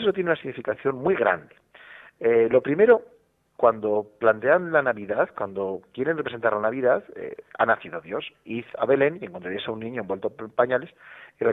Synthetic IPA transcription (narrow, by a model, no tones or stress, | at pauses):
eot̪jenunasiɣnifikaθjo̞nmwiɣɾa̰nd̪e | elo̞pɾime̞ɾo̞ | kwand̪o̞plant̪e̞anlanaβiðaðkwand̪o̞kje̞ɾenrepɾese̞nt̪aɾlanaβiðaðḛa̰naθiðoðjo̞siθa̰βe̞le̞nje̞ŋkont̪ɾajesaunːĩɲoembwelt̪opaɲale̞sire